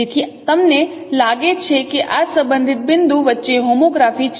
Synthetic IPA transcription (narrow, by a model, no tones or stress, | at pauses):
et̪ʰit̪əmne | laɡet͡ʃʰekeʔasə̃mbənd̪ʱɪt̪̚bɪnd̪ũʋətːʃeɦomoɡɾafit͡ʃʰ